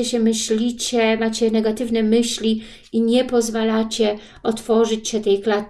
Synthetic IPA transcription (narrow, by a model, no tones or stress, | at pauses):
ɛɕɛmɘɕlʲit͡ɕɛmat͡ɕɛnɛɡat̪ɘvnɛmɘɕlʲi | iɲɛpɔzvalat͡ɕɛ | ɔt̪fɔʐɘt͡ɕɕɛt̪ɛjkla